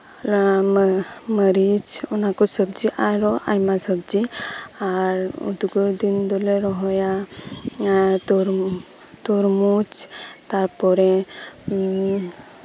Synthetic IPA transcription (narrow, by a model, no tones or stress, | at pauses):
məɾid͡ʒɔnakɔsɔbd͡ʒiʔajɾɔʔajmasɔbd͡ʒiaɾṵd̪uɡɔɾd̪ind̪ɔlɛɾɔɦɔja | t̪ɔɾ | t̪ɔɾmut͡ʃt̪aɾpɔɾɛ